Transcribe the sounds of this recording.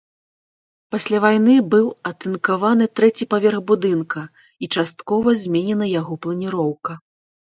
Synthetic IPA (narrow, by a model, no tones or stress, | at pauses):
pasʲlʲavajnɨbɨwɐt̪ɨnkavanɨt̪ɾɛt͡sʲipavʲɛrɣbud̪ɨnkɐ | it͡ʂast̪kɔvɐzʲmʲenʲɛnɐjaɣɔplˠɐnʲiɾɔwkɐ